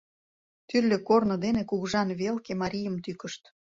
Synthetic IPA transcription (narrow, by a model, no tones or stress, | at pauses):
t̪yrlʲø̆kornŏd̪enekuɣʒɑnβelkemɑɾʲijəmt̪ykə̆ʃt̪